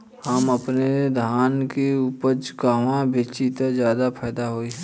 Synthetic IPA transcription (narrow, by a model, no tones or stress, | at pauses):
həməpned̪ʱaːnkeupəd͡ʒɡaːʋãbet͡ʃit̪zjaːd̪apʰɛːd̪aɦoːiɦɛ̃ː